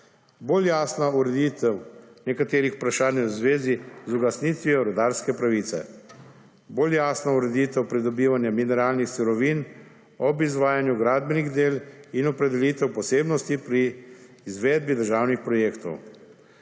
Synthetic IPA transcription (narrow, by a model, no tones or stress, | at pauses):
boːljaːsnauɾɛd̪iːt̪ɛwnɛkat̪eːɾixpɾaʃaːnjwzʋeːzizuɡasniːt̪ʋiɔɾɔd̪aːɾskɛpɾaʋiːt̪sɛ̰ | boːljaːsnauɾɛd̪it̪ɛwpɾid̪ɔbiːʋanjaminɛɾaːlnixsuɾɔʋiːn | ɔbizʋaːjanjuɡɾaːd̪̚bɛniɣd̪eːlinɔpɾɛd̪ɛliːt̪ɛwpɔseːbnɔst̪ipɾiː | zʋeːd̪̚bid̪əɾʒaːwnixpɾɔjeːkt̪ɔ̰w